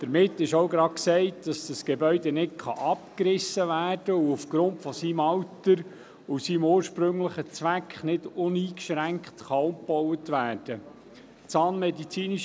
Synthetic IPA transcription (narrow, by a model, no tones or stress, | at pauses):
d̥əɾmɪtːɪʃowɡɾɑksɛɪtd̥ɑsd̥əsɡ̥ebœʏdɛnɪtkχɑ̰ʔɑpkɾɪsːəʋæːrd̥əuufɡ̥ɾʊntfɔsiːmɑwtːəɾ | usiːmoːɾʃpɾɵŋləχət͡sʋækχnɪd̥ʊniːkʃɾæŋkχtχɑʊmpɔwətʋæːrd̥ə | t͡sɑːnmɛdit͡siːniʃ